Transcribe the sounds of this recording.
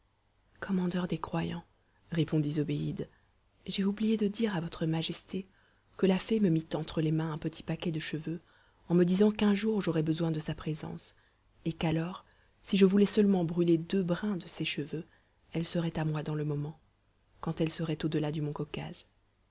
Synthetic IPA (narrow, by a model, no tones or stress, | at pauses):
kʰɔmɑ̃d̪œʁd̪ekχwajɑ̰̃ | ʁepɔ̃d̪izɔbeid̪ | ʒɛublijed̪əd̪iʁavɔt̪χəmaʒɛst̪ʰe | kəlafɛməmit̪ɑ̃t̪χəlemɛ̃ɛ̃pət̪ʰi̥pakʲɛd̪əʃəvø | ɑ̃məd̪izɑ̃kɛ̃ʒuʁʒɔʁɛbəzwɛ̃d̪əsapχezɑ̰̃s | ekalɔʁ | siʒəvulɛsəlmɑ̃bʁyled̪øbʁɛ̃d̪əsɛʃəvø | ɛlsəʁɛt̪amwad̪ɑ̃ləmɔmɑ̃ | kɑ̃t̪ɛlsəʁɛt̪od̪əlad̪əmɔ̃kɔka̰z̥